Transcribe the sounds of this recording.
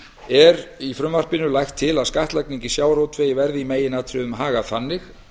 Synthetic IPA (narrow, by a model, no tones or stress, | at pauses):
ɛɾifɾʏmvar̥pɪnʏlajxt̪ʰːɪlaðskaht̪lajkniŋɲcɪsjaːwɾowt̪ʰveːjɪvɛɾðɪimeːjɪnat̪ʰɾʏðʏmɦaːɣaθanːɪx